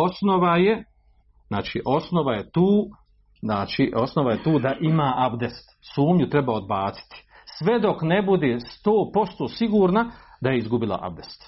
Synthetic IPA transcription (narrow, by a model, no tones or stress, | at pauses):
o̞snoʋaje̞ | znaːt͡ʃiːʔo̞sno̞ʋaje̞t̪uː | znaːt͡ʃiːʔo̞sno̞ʋaje̞t̪uːd̪aʔimaːʔaʋd̪est̪suːmɲut̪ɾe̞bao̞d̪baːt̪si̥t̪i̥ | sʋe̞d̪o̞knebud̪eːst̪oːpo̞st̪oːsiɡuːɾna | d̪aje̞izɡubilˠa̰ʔa̰bd̪est̪